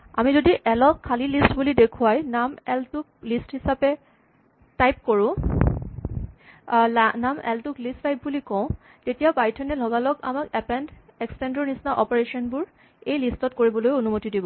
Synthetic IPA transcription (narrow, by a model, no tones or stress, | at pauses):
a̰mizodiʔɛlɔkʰːalilistbulidekʰuwajnamɛltʊk̚listhisapɛ | tajp̚koɹʊ̃ | namɛ̰ltʊklistːajp̚bulikɔ̃ʊ̃ | tetijabajitʰɔnɛlʱɔɡalɔka̰makɛpɛndekstɛndɔnisnaʔɔpɔɹesɔnbʊɹ | ejlistɔtkoɹibɔlojonumotidibɔ